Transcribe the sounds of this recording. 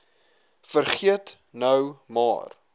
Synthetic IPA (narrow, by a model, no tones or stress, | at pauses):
fərχiət | nœwmɑ̰ːr